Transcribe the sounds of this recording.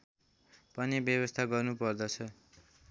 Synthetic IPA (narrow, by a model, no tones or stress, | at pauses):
pʌnibjʌβʌst̪ʰaɡʌrnupʌrd̪ʌt͡sʰʌ